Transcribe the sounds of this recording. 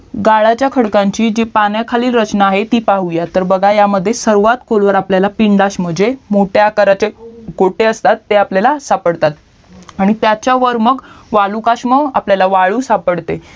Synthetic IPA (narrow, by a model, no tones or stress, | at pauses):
ɡaɭat͡ɕjakʰəɽkãɲt͡ɕiːd͡ʑepanjakʰaliːlɾət͡ɕnaːɦet̪iːpaɦujat̪ːəɾbəɡʱajaməd̪ʱːjesəɾʋat̪kolʋəɾapljalapiɳɖaɕm̤əd͡ʑemoʈjakəɾat͡ɕeɡoʈeəst̪at̪ːeapljalasapəɽt̪at̪ | aɽ̃it̪jat͡ɕjaʋəɾməkʋaɭukaɕməapljalaʋaɭuːsapəɽt̪e